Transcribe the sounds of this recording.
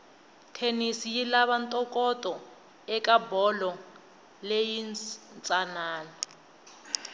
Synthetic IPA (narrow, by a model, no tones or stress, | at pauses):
tʰenisijilaβantʼɔkʼɔtʼɔ | ɛkʼabɔlɔ | lejinnt͡sʼanaːlɔ